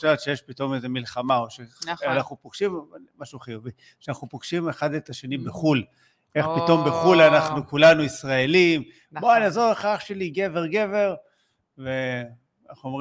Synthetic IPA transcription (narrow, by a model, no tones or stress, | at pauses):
ʃevt̪ʃejeʃpit̪o̞mezemilχamaoʃeanaχnupoɡ̥ʃimamaʃuaχejovi | ʃanaχnupoɡ̥ʃimeχad̪et̪aʃenibeχul | ʔe̞χpit̪o̞mbeχulanaχnukulanuisʁaelim | boalazoʁeχaχʃeliɡe̞veʁɡe̞ve̞ʁ | ve | naχnuomʁi